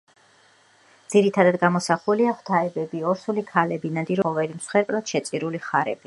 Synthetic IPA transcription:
d̪z̥iɾit̪ʰad̪ad̪ɡamɔsaχuliaχwt̪ʰaɛbɛbiɔɾsulikʰalɛbinad̪iɾɔvɛɾimsχɛɾpʼlɔt̪ʃɛt̪sʼiɾuliχaɾɛ̰b̥i

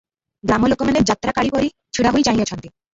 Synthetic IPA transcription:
ɡɾamolokomaneɾd͡ʑat̪ːɾakaɽipoɾi | t͡ɕʰuɽaɦojt͡ɕaɦijot͡ɕʰɔnt̪i

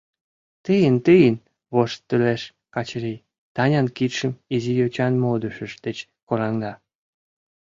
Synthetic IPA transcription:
t̪əjənt̪əjən | βoʃt̪ːyleʃ | kɑt͡ɕɾi | t̪ɑnʲɑnkit̪ʃəmizijot͡ɕɑnmod̪əʃə̆ʃd̪et͡ɕ | koɾɑŋd̪ɑ

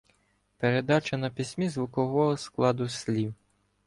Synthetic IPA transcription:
peɾed̪ɑt͡ʃɐnɐpʲisʲmʲizʋʊkɔɦɔɦɔsklˠɑd̪ʊsʲlʲiw

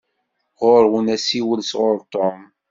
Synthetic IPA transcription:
ʁʊɾwunæsiwəlsʁʊɾt̪om

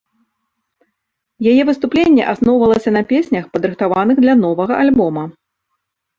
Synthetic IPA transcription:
jajɛvɨst̪uplʲenʲːɛ̰ʔasnɔwvɐlˠɐsʲɐnɐpʲesʲnʲɐxpɐd̪ɾɨxt̪avanɨɣd̪lʲɐn̪ɔvɐɣɐʔalʲbɔmɐ

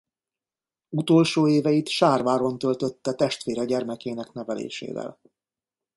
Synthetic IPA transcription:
ut̪o̞lʃoːeːvɛjit̪ʃaːrvaːɾo̞nt̪ølt̪ø̞t̪ːɛt̪ɛʃt̪ʋeːɾɛɟɛrmɛkeːnɛknɛvɛlḛːʃḛːvɛ̰l

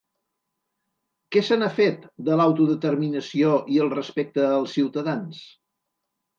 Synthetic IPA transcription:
kɛsənafet̪d̪əlawt̪uðət̪ərminəsioʔiəlˠrəspek̚t̪əːlˠsiwt̪əðans

